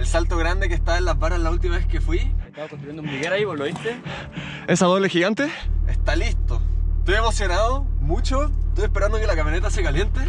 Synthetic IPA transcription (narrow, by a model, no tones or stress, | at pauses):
elsalt̪oɣɾand̪e̞kest̪aaenlazβaɾalault̪̬imaeskefwieaokont̪ɾujend̪umbiɣeɾaipoloist̪e | esaðoβlexiɣant̪eest̪alist̪ot̪ojemo̞sjo̞naðomut͡ʃoeet̪ojehpeɾand̪okelakamjonet̪asekalje̞nt̪e